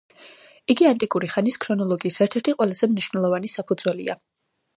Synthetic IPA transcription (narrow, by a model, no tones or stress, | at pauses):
iɡiant̪ʼikʼuɾiχaniskʰɾɔnɔlˠɔɡiːsɛɾt̪ʰɛɾt̪ʰiqʼwɛlˠaz̥ɛmniʃwnɛlˠɔvanisapʰud̪z̥wɛlḭa̰